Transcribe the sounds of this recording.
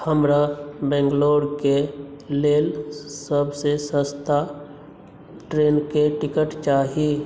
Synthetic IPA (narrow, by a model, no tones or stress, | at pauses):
həmɾabɛ̃ːŋɡloːɖkeleːlsəbsesə̃st̪a | ʈɾeːnkeʈɪkəʈt͡ʃaːɦieː